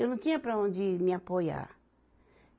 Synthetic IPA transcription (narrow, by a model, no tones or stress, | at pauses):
onũt̪ĩãpɾaõnd͡ʒimĩãpoja̰